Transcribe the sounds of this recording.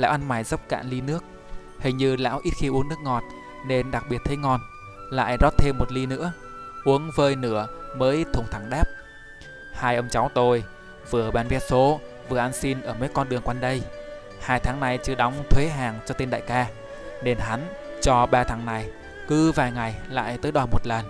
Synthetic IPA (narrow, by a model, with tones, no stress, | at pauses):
la̰ː˧˥wʔa˧nmaː˧˩jzə˦˥p̚ka̰ː˧˨nli˧nɨ˦˥ək̚ | hï˨˩ŋ̟ɲɨ˧la̰ː˧˥wʔi˦˥t̚xi˧ʔu˨˦əŋnɨ˦˥k̚ŋɔ˨˩t̚ | ne˧nɗa˨˩k̚ɓi˨˩ət̚t̪ʰə˨˦jŋɔ˧n | la̰ː˧˨jzɔ˦˥t̚t̪ʰe˧mːo˨˩t̚li˧nɨ̰˧˥ə | ʔu˨˦əŋvəː˧jnɨ˧˩əməː˨˦ʔi˦˥t̚t̪ʰʊ˨˧˩ŋ͡mt̪ʰa˧˩ŋɗa˦˥p̚ | haː˧jʔə˧wŋ͡mt͡ɕa˨˦wt̪o˧j | vɨ˨˩əɓaː˧nvɛ˨˦˥t̚so˨˦ | vɨ˨˩əʔa˧nsi˧nʔəː˧˩mə˨˦jkɔ˧nɗɨ˨˩əŋkwa˧nɗə˧j | haː˧jt̪ʰaː˨˦ŋna˨˩jt͡ɕɨ˧ɗɔ˨˦wŋ͡mt̪ʰwe˨˦ɦaː˨˩ŋt͡ɕɔ˧t̪e˧nɗa̰ː˧˨jkaː˧ | ne˧nɦa˨˦nt͡ɕɔ˧ɓaː˧˩t̪ʰaː˨˦ŋna˨˩j | kɨ˨˦vaː˨˩jŋa˨˩jla̰ː˧˨jt̪əː˨˦jɗwaː˨˩mo˨˩t̚lə˨˩n